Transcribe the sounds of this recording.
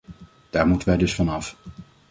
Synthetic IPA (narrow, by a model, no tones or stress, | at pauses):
d̥aːɹmutənʋɛjdɵsfɑnɑf